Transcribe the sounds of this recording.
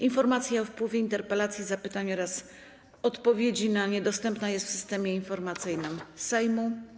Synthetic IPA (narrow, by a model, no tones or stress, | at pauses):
infɔɾmat̪sʲjaɔfpwɘvʲjɛint̪ɛɾpɛlat̪sʲjizapɘt̪aɲɔɾas | ɔt̪pɔvʲjed͡ʑinaɲɛd̪ɔst̪ɛmpnajɛst̪fsɨ̥st̪ɛmʲjɛinfɔɾmat̪sɘjnɘmsajmu